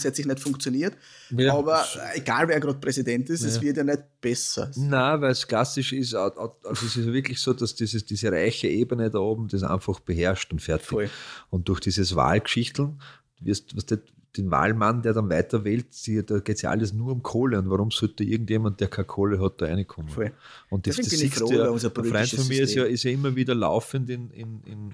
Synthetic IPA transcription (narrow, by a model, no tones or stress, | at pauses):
shɛtsɪiçnɛtfʊ̃ŋkt͡sjoniːɐt | ɑːbɐeɡ̥aːlveːɐɡʁɑːt̚pʁɛsidɛntɪsɛsvɪɐtjanɛt̚b̥ɛsɐ̰navæɪlskl̥asɪʃɪsalzoɛsɪs̬jvɪɐklɪçsoːdasd̥iːzəsd̥iːzəʁa̰ɪçəʔeːbənədaoːbm̩d̥es̬ʔã̰ɪnfɑχb̥əɦɛɐʃtʊntfɛɐtɪʊnt̚d̥ʊɐxd̥iːzəsva̰ːlkʃɪçtl̩n̩ | vɪɐstːɑstet | d̥enva̰ːlmand̥eːɐdɑnvæɪtɐveːltsid̥̪ɑɡ̥eːtsjɑ̰ʔa̰lːəsnuːɐʊ̃mkʰoːləʊ̃ntvaʁʊmsɔlttːeɪɐɡŋ̩tjeːmant̚d̥eːɐkʰakʰoːləɦɑt̚d̥ɑæɪnɪkʰːʊmə | ʊ̃nt̚d̥̪isdtlifʁɛnfɔmmiɐɪsjɑɪsjɑɪmːɐviːdɐla̰ʊfəndɪnɪ̰nɪ̰n